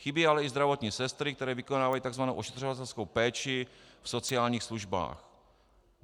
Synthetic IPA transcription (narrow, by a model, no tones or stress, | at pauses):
xɪbiːalɛɪzd̪ɾavo̞t̪ɲiːsɛst̪ɾɪkt̪ɛɾɛːvɪkonaːvajiːt̪aɡzvanowʔoʃɛt̪r̝ovat̪ɛlskowpɛːt͡ʃɪfso̞t͡sɪaːlɲiːxsluʒba̰ːx